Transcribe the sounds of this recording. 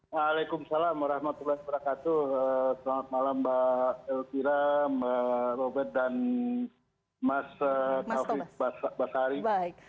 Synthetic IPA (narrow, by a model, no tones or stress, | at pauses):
alakumsalamwaɾahmat̪ulaik̚bəɾakat̪uəsəlaŋat̪̚malambaɛlkiɾamərobɛrt̪̚dan | masəkafibasbasaɾik